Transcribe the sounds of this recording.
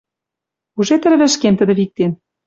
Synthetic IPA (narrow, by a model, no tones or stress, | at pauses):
uʒet̪ɘ̆ɾβɘ̆ʃkemt̪ə̆d̪ə̆βik̚t̪en